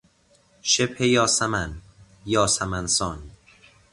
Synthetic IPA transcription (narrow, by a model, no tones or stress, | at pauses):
ʃebhejɒːsæmæn | jɒːsæmænsɒːn